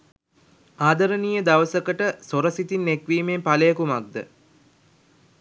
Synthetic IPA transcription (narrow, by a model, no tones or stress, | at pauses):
aːd̪əɾənijəd̪aʋəsəkəʈəsoɾəsit̪inːekʋiːmepaləjekumak̚d̪ə